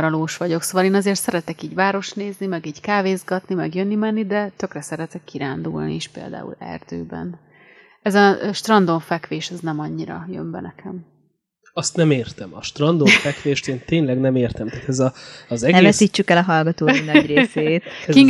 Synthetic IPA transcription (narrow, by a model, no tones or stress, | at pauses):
ɾɒloːʃʋɒɟo̞ksoːvɒleːnɒzeːrt̪sɛɾɛt̪ɛkiːɟvaːɾo̞ʃt̪neːznimɛɡiːɟkaːveːzɡɒt̪nimɛɡjønːimɛnːid̪ɛt̪ø̞krɛsɛɾɛt̪ɛkːiɾaːnd̪ṵlnḭeʃpḛːld̪a̰ːṵlɛ̰rd̪̥ø̰ːbɛ̰n | ɛzɒʃt̪rɒnd̪oɱfɛkʋeːʃɛznɛmɒɲːiɾɒ̰jø̰mbɛ̰nɛkʰɛm | ɒst̪nɛmeːrt̪ɛmɒ̰ʃt̪rɒnd̪oɱfɛkʋeːʃt̪eːnt̪eːɲlɛɡnɛmeːrt̪ɛmt̪aːt̪ɛzɒɒzɛɡɛɛsiːt͡ʃːykɛlɒɦɒlɡɒt̪oːinɒɟreːseːt̪iŋ